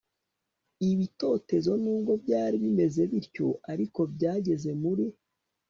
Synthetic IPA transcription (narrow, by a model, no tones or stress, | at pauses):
iβito̞ːte̞zo̞nuːŋɡo̞bɟaːɾiβime̞ze̞βiɾco̞̰ʔaɾiko̞bɟaːɟe̞ze̞muɾi